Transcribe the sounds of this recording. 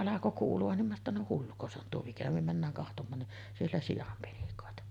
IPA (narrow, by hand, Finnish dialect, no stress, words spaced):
ɑlɑko kuːluɑn nim minæ tːæ no hulːuko se on tuo ʋɑm mikæ nim mænːæːŋ kɑhtomˑɑːn niʔ sielːæ sijɑm penikoˑetɑ